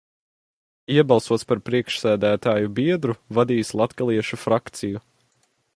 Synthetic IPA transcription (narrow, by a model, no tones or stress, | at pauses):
iɛbɑlˠsuɔt̪spaɾpɾiɛkʃsæːd̪æːt̪aːjubiɛd̪ɾuvad̪iːslˠat̪kalˠiɛʃufɾakt̪siju